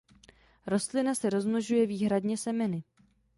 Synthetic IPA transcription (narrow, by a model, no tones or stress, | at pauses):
ɾo̞st̪lɪnasɛɾo̞zmloʒujɛviːɦɾadɲɛsɛmɛnɪ